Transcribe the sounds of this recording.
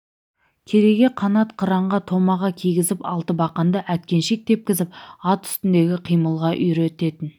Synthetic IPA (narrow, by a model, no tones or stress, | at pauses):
kʲʰe̞ɾe̞ɡʲe̞qʰɑnɑt̪qʰəɾɑɴʁɑt̪ʰo̞mɑʁɑkʲʰijɡʲɪzɪpɑlˠt̪əbɑqɑnd̪əʔæt̪̚kʲe̞nʃe̞k̚t̪e̞p̚kʲɪzɪp̚ɑt̪ʏ̥st̪ɪnd̪e̞ɡʲɪqʰijməlˠʁɑʔʏjɾe̞t̪e̞t̪ɪn